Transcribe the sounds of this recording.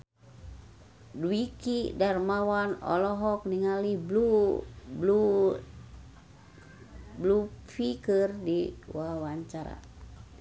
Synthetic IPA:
dwikidarmawanɔ̰lɔɦɔk̚niŋaliblu | blu | blufikɨrdiwawaɲt͡ʃaɾa̰

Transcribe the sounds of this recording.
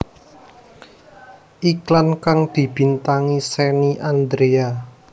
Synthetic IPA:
ʔiklankaŋd̪̥i̤b̥i̤nt̪aŋisɛniʔand̪ɾea

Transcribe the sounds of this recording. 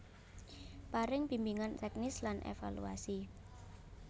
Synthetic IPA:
paɾɪŋpimbiŋant̪ɛk̚nɪslanʔḛfa̰lṵa̰si

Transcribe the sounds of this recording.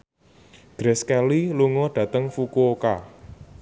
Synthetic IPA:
ɡ̥ɾɛskɛliluŋɔɖ̥ä̤t̪əŋfukuoka

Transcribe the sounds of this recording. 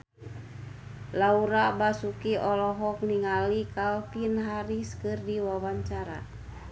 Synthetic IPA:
lauɾabasukiʔɔlɔɦɔk̚niŋalikalpinɦaɾiskɨrdiwawaɲt͡ʃaɾa̰

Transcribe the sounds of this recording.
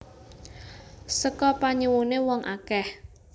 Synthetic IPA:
səkɔpaɲiwunewɔŋʔakɛh

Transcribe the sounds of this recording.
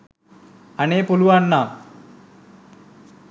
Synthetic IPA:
ɐneːpoluanːa

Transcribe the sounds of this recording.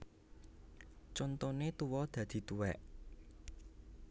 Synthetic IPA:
t͡ʃont̪onet̪uwɔd̪̥ä̤d̪̥i̤t̪uwɛʔ

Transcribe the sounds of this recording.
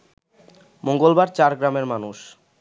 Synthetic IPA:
moŋɡolbaɾt͡ɕaɾɡɾameɾmanuʃ

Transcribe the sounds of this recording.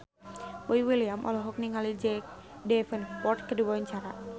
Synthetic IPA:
boiwiliamʔɔ̰lɔɦɔk̚niŋalid͡ʒɛk̚ | dɛfənpɔrt̪̚kəduwawaɲt͡ʃaɾa

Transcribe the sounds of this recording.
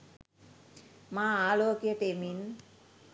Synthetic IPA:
mãalokiaʈemin

